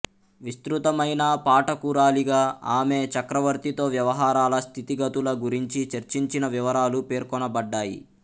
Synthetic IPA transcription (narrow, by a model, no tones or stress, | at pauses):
ʋist̪ɾut̪ɐmɐjnaːpaːʈɐkuːɾaːliɡaːaːme̞ːt͡ʃɐkɾɐʋɐɾt̪it̪o̞ːʋjɐʋɐɦaːɾaːlɐst̪ʰit̪iɡɐt̪ulɐɡuɾiɲt͡ʃit͡ʃɐɾt͡ʃiɲt͡ʃinɐʋiʋɐɾaːlupe̞ːɾkɔnɐbɐɖːaːjḭ